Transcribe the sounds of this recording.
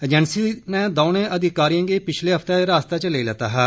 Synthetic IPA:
d͡ʒɛnsiːnɛ̃ːd̪aːnẽːʔəd̪ɪkaːɾijãŋɡeːpɪt͡ʃʰleːɦəft̪eːɾaːst̪aːt͡ʃəleːlɛːt̪aːɦɛː

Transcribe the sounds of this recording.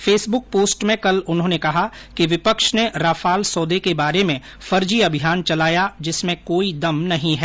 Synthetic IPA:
fʰeːsbʊk̚poːsʈmẽkɐlʊnɦõːnekɐɦa | kiʋɪpəkʃneɾaːfaːlsɔːd̪ekebaːɾemẽ | fɐɾd͡ʒiɐbʱɪjaːnt͡ʃɐlaːjad͡ʒɪsmẽkoːid̪ɐmnɐɦĩɦɛː

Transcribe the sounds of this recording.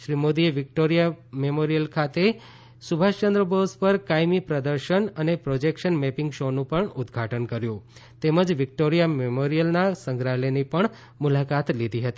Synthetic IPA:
ʃɾimod̪ieʋik̚ʈoɾijamemoɾijəlkʰat̪e | subʱaʃt͡ʃənd̪ɾəbospəɾkajmipɾəd̪əɾʃənənepɾod͡ʒekʃənmɛpɪŋɡʃonũpəɳʊd̪ɡʱaʈənkəɾjũt̪eməd͡ʒʋɪk̚ʈoɾijamemoɾijəlnasəŋɡɾalenipəɳ | mulakat̪lid̪ʱiɦət̪i

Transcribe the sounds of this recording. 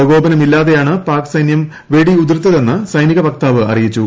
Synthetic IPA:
ɐɣo̞ːbɐnɐmilːaːðe̞jaːɳɨpaːrkɨ̥sɐjnjɐm | ʋe̞ɽiud̪rɨt̪ːɐðe̞nːɨsɐjniɣɐʋɐk̚t̪aːʋɨɐ̰rijit͡ɕːu

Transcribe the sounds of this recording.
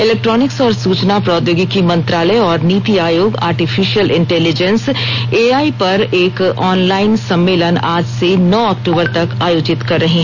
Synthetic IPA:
ɪlɛːk̚ʈɾɔːnɪksɔːɾsuːt͡ʃnapɾɔːd̪joːɡɪkːimɐ̃nt̪ɾaːləɔːɾniːt̪iaːjoːɡa̰ːɾʈifʰiʃiəlʔɪ̃ɳʈɛːlɪd͡ʒə̃nseːaːipɐɾeːkɔːnlaːɪnsɐ̃mːeːlənaːd͡ʒsenɔːɔːk̚ʈuːbəɾt̪ɐkaːjoːd͡ʒɪt̪kɐɾːɐɦiɦɛ̃

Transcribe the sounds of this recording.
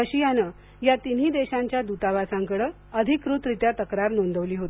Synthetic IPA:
əɕijanə | jat̪in̤iːd̪eɕãɲt͡ɕjad̪ut̪aʋasãŋkəɽə | əd̪ʱikɾut̪ɾit̪jat̪əkɾaɾnond̪ʱəʋliːɦot̪i

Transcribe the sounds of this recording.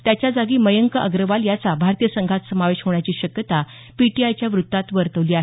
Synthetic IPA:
t̪jat͡ɕjad͡zaɡiːməjəŋkəʔəɡɾəʋaljat͡sabʱaɾt̪ijəsəŋɡʱat̪səmaʋeɕɦoɳ̃jat͡ɕiːɕəkjət̪a | piʈiajt͡ɕjaʋɾut̪ːat̪ʋəɾt̪əʋliːaɦe

